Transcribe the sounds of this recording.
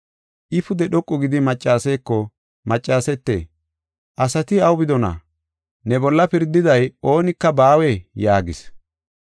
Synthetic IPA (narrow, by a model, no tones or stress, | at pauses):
ʔɪfʊd̪ɛɗɔkʼːʊɡɪd̪ɪmɐt͡ʃʼːaːseːkːɔ | mɐt͡ʃʼːaːsɛt̪ːḛː | ʔɐsɐt̪ɪɐwbɪd̪ɔnɐ̰ | nɛbɔlːɐpɪɾd̪ːɪd̪ɐjo̞ːnɪkːɐbaːwɛjaːɡɪs